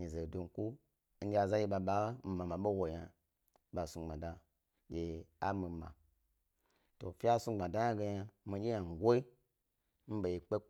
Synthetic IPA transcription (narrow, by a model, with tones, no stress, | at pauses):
ɲi˨ze˨du˧ŋ̩˨ku˦ | n̩˦ɡʲa˨za˦ji˧ɓa˧ɓa˨˦m̩˨ma˨ma˨ɓo˦wo˨ja˧ | ɓa˨sũ˧˨ɡ͡bã˨da˨ | ɡʲe˨a˦mi˨˦ma̰˨ | to˨fʲi˦a˦su˧˦ɡ͡ba˨da˦ja˦ɡe˧ja˧˦mi˧d͡ʒʲe˦ja˨ŋ̩˨ɡʷo˦i˦ | m̩˦ɓe˨ji˨k͡pe˦